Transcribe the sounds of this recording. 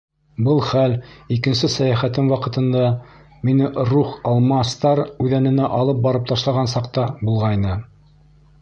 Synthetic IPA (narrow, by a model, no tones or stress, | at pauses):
bɤlˠχælikɘ̆nsɘsæjæχæt̪ɘmwɑqɤ̆t̪ɤ̆nd̪ɑ | minɘɾuχɑlˠmɑst̪ɑɾʉðænɘ̆næʔɑlˠɤp̚bɑɾɤp̚t̪ɑʃlˠɑʁɑnsɑqt̪ɑbulˠʁɑjnɤ